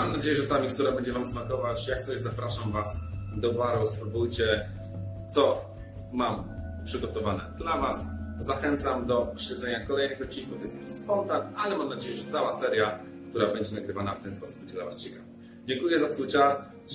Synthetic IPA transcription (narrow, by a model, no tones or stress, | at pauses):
amnad͡ʑejɛʐɛt̪amʲik̚t̪uɾabɛɲd͡ʑɛvamsmakɔvat͡ɕjak̚t̪sɔʑzapɾaʂamvasd̪ɔbaɾɔspɾubujt͡ɕɛ | t̪sɔ | mampʂɘɡɔt̪ɔvanɛ̰d̪lavaszaxɛnt̪samd̪ɔpɔɕlɛd̪zɛɲakɔlɛjnɘxɔt̪̚t͡ɕːiŋkuvjɛst̪ɛkʲispɔnt̪analɛmamnad͡ʑejɛʐɛt̪sawasɛɾja | kt̪uɾabɛɲd͡ʑɛnaɡɾɘvanaft̪ɛnspɔsu̥pb̚ɛɲd͡ʑɛd̪lavast͡ɕɛkava | d͡ʑɛŋkujɛzat̪fujt͡ʂas